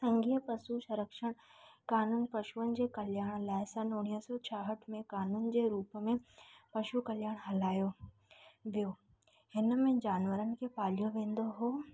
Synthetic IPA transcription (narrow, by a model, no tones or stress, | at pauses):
sɐ̃ŋɡʱiːəpɐsusɐɾəkʃəɽ̃kaːnuːnpɐʃuənɪ̆d͡ʑeːkɐljaːɽ̃laːɪsɐ̃noːɽ̃isɔt͡ɕʰaɦəʈʰmẽkaːnuːnd͡ʑeːɾuːpmẽpɐʃukɐljaːɽ̃ɦɐlaːjo | ʋijo | hɪnmẽd͡ʑaːnʋəɾənɪ̆kʰepaːlijoʋẽːn̆d̪oɦoː